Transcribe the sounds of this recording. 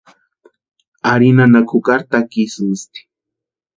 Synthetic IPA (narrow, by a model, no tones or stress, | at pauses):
aɾinanakʰʊkaɾt̪akisinst̪i̥